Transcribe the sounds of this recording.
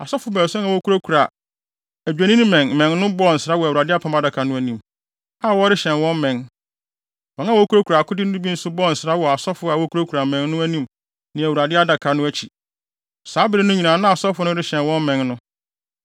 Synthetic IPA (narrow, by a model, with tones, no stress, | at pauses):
a˨sɔ˦fʊ˦bɛː˨sɛ̃˦na˨wɔ˦kʰu˦ɾo˦kʰu˨ɾa˨ | æ˨d͡ʑᶣæ˨nĩ˦n˦mɛ̃˨ŋ̩˨mɛ̃˨ŋ˦nʊ̃˦bɔ˦˨n̩˨sɪ˨ɾa˦wɔ˨wu˨ɾa˨dɪ˦a˦pʰã˦ma˦da˨kʰa˨nʊ̃˦æ˦nĩ˨m | a˦˨˦wɔ˦ɾɪ˦ɕɛ̃˨nwɔ̃˦m˦mɛ̃˨ŋ | mã˨˦a˦wɔ˦kʰu˦ɾo˦ku˨ɾa˨kʰʊ˦dɪ˦n̩˦nʊ˦bi˦n̩˦sʊ˦bɔ˦˨n̩˨sɪ˨ɾa˦wɔ˨a˨sɔ˦fʊ˨˦a˨wɔ˦kʰu˦ɾo˦kʰu˨ɾa˨mɛ̃˨ŋnʊ̃˦æ˦nĩ˦˨m | nɪ̃˨æ˨wu˨ɾa˨dɪ˦a˦da˨kʰa˨nʊ̃˦æ˦t͡ɕʰi˨ | saː˨˦bɪ˦ɾɪ˦nʊ̃˦ɲi˨nã˨nʊ̃˦a˨sɔ˦fʊ˨˦nʊ̃˦ɾɪ˦ɕɛ̃˨nwɔ̃˦m˦mɛ̃˨˦ŋnʊ̃˦